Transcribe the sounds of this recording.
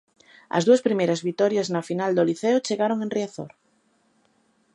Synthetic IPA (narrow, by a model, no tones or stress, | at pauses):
ɐ̰zðuaspɾimejɾazβit̪ɔɾjaznafinald̪oliθeot͡ʃeɣaɾoŋenriaθo̰ɾ